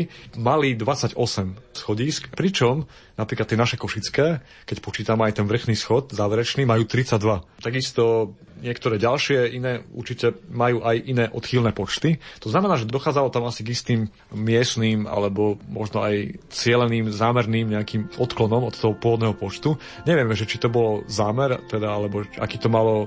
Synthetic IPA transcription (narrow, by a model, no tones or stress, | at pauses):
malid̪ʋat͡saɟɔsɛmsxɔɟiːskpɾit͡ʃɔm | napɾiːklat̪ːɪɛnaʃɛkɔʃit͡skɛː | kɛcpɔt͡ʃiːt̪amɛajt̪ɛnʋr̩xniːsxɔt̪zaːʋɛɾɛt͡ʃniːmajuːt̪ɾit͡saɟ̚d̪ʋat̪aɡist̪ɔ | ɲɪɛkt̪ɔɾɛːɟalʃɪɛinɛːṵɾt͡ʃicɛmajuːʔajʔinɛːʔɔt̪xilnɛːpɔt͡ʃt̪it̪ɔznamɛnaːʒɛd̪d̪ɔxaːd͡zalɔt̪amasiɡist̪iːmː | ɪɛsniːma̰lɛbɔmɔʒnɔajt͡sɪɛlɛniːmzaːmɛɾniːmɲɛakiːmɔt̪klɔnɔmɔt̪t̪ɔɦɔpʊɔʋɔd̪nɛɦɔpɔt͡ʃt̪u | ɲɛʋɪɛmɛʒɛt͡ʃit̪ɔbɔlzaːmɛɾt̪ɛd̪aalɛbɔa̰kiːt̪ɔmalɔ